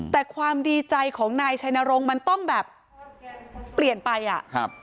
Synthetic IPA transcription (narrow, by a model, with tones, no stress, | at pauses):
t̪ɛː˨˩kʰwaː˧mdiː˧t͡ɕa˧jkʰɔː˩˦ŋnaː˧jt͡ɕʰa˧jnaː˧ɾo˧ŋma˧nt̪ɔ˥˩ŋbɛː˨˩p̚ | li˨˩ənpa˧jʔa̰˨˩ʔkʰp̚